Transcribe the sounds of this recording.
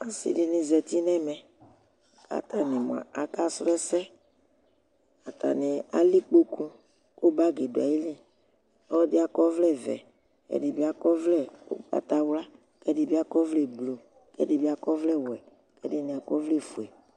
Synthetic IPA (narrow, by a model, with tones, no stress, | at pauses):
a˨sḭ˦di˦nĩ˨zɛ˨t̪i˦nɛ̃˦mɛ̃˨ | ka̰˨t̪a˨nĩ˨mɔ̃˨a̰˨a˨ka˦sɾɛ˦sɛ˦ | a˨t̪a̰˨ni˨a̰˨li˦k͡po˦kũ˦ | ko˦ba˦ɡe˨du˨a̰˨je˦li˦ | ɔ˦di˦a˨kɔ˦vlɛ˦vɛ̰˨ | ɛ̰˨di˨bi˦a˦kɔ˦vlɛ˦a̰˨t̪a˨wla˦ | kɛ˦di˦bi˦a˦kɔ˦vlɛ˨blo˨ | kɛ̰˦di˦bi˦a˦kɔ˦vlɛ˦wɛ˨ | kɛ˦di˦nĩ˨a˨kɔ˦vlɛ˦fu˨ɛ˨